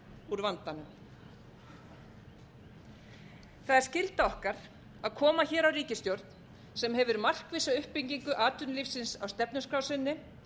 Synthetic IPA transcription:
uɾvant̪anʏm | θaðɪɾ̥scɪlt̪aɔhkaɾ̥ | aðkʰɔːmaçɛːɾawriːcɪst̪jowɾt̪n | sɛmɦɛvʏɾmar̥kvɪːsaʏhpiɲciŋkʏʔaːt̪ʏnlifsɪnsawst̪ɛpnʏskɾawsɪnːɪ

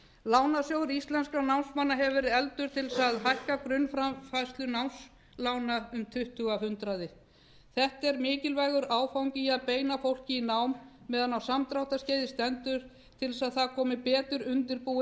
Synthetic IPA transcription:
laːwnasjowɾist̪lɛnskanawnsmanːaɦɛvvɛːɾɪðɛlt̪ʏɾ̥t̪ʰɪlsaðɦajhkakɾʏnːfɾafajst̪lʏnawns | lawnaʏmt̪ʰʏht̪ʏɣahʏnt̪ɾaðɪ | θɛht̪ɛɾmɪːcɪlvajɣʏɾaːwfawɲcɪaðpeːjnafowl̥cɪinawmː | ɛːðanːawsamt̪ɾawht̪asceːjðɪst̪ɛnt̪ʏɾ̥ | t̪ʰɪlsaðθakʰɔːmɪpɛːt̪ʏɾʏnt̪ɪɾpuː

